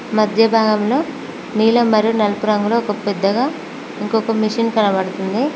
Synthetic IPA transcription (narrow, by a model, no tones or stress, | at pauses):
mɐd̪ʱjɐbʱaːɡɐmlo̞ː | niːlɐmɐɾijunɐlpuɾɐŋɡuloːkɐpɛd̪ːɐɡaː | iŋkokɐmiʂinkɐlɐbɐɽut̪und̪i